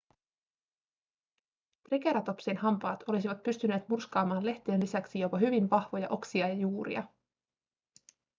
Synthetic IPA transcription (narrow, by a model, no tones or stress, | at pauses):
t̪rike̞ɾɑt̪o̞psenɦɑmpɑːt̪o̞lis̬iʋɑt̪̚pyst̪yne̞ːt̪murskɑːmɑːnle̞ht̪eːnlisæksijopɑɦyʋinʋɑhʋo̞jɑ̰ʔo̞ksiɑjɑjuːɾḭɑ̰